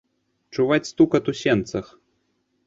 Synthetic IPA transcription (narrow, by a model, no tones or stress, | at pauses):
t͡ʂuvat͡sʲst̪ukɐt̪usʲɛnt̪sɐx